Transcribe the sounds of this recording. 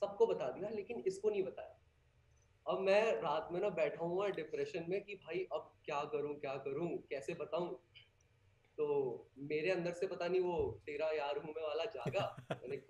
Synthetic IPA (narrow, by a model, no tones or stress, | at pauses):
sɐb̚kobɐt̪ad̪ijaleːkɪnɪskonɐɦĩbɐt̪aːjaː | ɐbmɛ̃ːɾaːt̪mẽnabɛːʈʰaːũɛɖɪpɾɛʃənmẽkibʱaːiʔɐb̚kjaːkɐɾũkjaːkɐɾũkɛːsebɐt̪aːũː | t̪oːmeːɾeɐ̃nd̪əɾsepɐt̪aːniʋot̪eːɾajaːɾɦũmẽʋaːlad͡ʒaːɡamɛːne